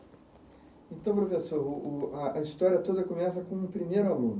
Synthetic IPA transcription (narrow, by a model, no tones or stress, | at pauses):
ẽnt̪ɐ̃w̃p̬ɾofesoɾʊʊɐɐist̪ɔɾiɐt̪od̪ɐkomɛsɐkõũpɾimejɾʊalũn